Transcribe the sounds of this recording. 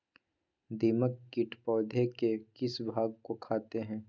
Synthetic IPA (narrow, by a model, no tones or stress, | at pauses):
d̪iːməkːɪʈpɔːd̪ʱekekɪsbʱaːɡ̚kokʰaːt̪eɦɛ̃ː